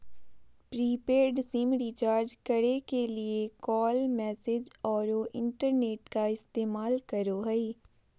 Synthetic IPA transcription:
pɾiːpeːɾɖsiːmɾiːt͡ʃaːɾd͡ʒkəɽekelɪekɔːlmɛːsed͡ʒɔːɾoːʔɪɳʈəɾneːʈkaɪst̪eːmaːlkəɾoːɦɛiː

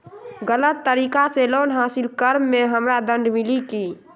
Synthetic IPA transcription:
ɡələt̪ːəɾiːkaseloːnɦaːsilkəɾmːeɦəmɾad̪ə̃ɳɖmiliki

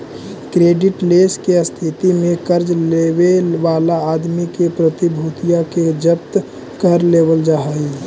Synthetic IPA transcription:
kɾeːɖɪʈleːskeəst̪ʰɪt̪imẽkəɾd͡ʒleːʋeʋaːlaaːd̪mikepɾət̪ibʱuːt̪ijaked͡ʒəpt̪ | kəɾleːʋəld͡ʒaɦai

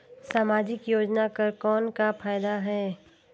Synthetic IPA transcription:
saːmaːd͡ʒɪkjoːd͡ʒnakɐɾkɔːnkafʰaːjd̪aɦɛː

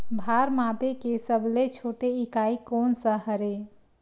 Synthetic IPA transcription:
bʱaɾmapekesəbʱlet͡ʃʰoːʈeikaikonsəɦəɾe

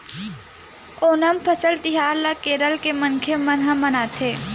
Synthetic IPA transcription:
oːnəmpʰəsəlt̪ɪɦaːlakeːɾəlkemɐnkʰemɐnɦãmɐnaːt̪ʰeː

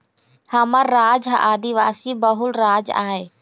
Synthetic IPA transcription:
hɐməɾːaːd͡ʒɦã̰ʔaːd̪iʋaːsibɐɦʊlɾaːd͡ʒa̰ːɦeː

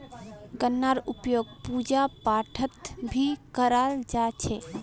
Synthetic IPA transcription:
ɡənːaɾupjoɡ̚pud͡ʒapaʈʰət̪bʱikəɾald͡ʒat͡ʃʰe

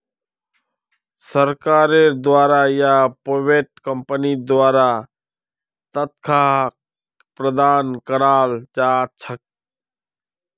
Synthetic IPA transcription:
səɾkaːɾed̪waːɾajapoʋeːʈkəmpənid̪waːɾa | t̪ət̪̚kʰa | pɾəd̪aːnkəɾaːlt͡ʃaːt͡ʃʰək̚

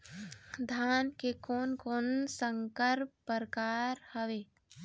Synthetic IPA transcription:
d̪ʱaːnkekɔːnkɔːnsəŋkəɾpːəɾkaːɾhəʋeː

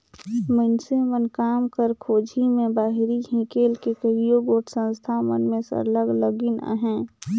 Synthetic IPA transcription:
mənsemənkaːmkəɾkʰoːd͡ʒʱimẽbaːɦɾiɦĩkeːlkekəɦijoɡoːʈʰsə̃nst̪ʰamə̰nmẽsə̰ɾləɡləɡina̰ɦɛ̃ː

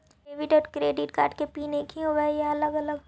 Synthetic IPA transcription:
eʋɪʈɔːɾkɾeːɖɪʈka̰ːɾʈkepiːnekʰiɦoʋajaɐləɡɐləɡ

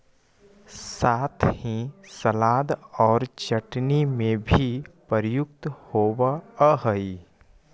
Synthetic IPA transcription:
saːt̪ʰhĩsəlaːd̪ɔːɾt͡ʃəʈnimẽbʱipəɾjʊk̚t̪hoːwaɦəi

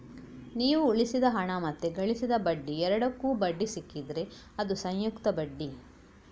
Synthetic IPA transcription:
niːʋuːɭisid̪ɐɦɐɳɐmɐt̪ːeɡɐɭisid̪ɐbɐɖːiɛɾɐɽɐkːuːbɐɖːisikːid̪ɾe̞ | ɐd̪usɐj̃jukt̪ɐbɐɖːi

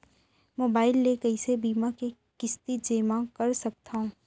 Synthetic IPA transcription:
moːbaːɪlːeːɡəisebiːmake | kɪst̪id͡ʒeːmãkɐɾsɐk̚t̪aũ

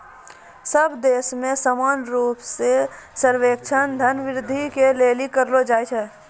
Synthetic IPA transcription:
səbd̪eːsmẽsəmaːnɾuːpsesəɾʋeːk̚t͡ʃʰənd̪ʱənʋɪɾɪd̪ʱikeleːlikəɾlod͡ʒaːet͡ʃʰɛː

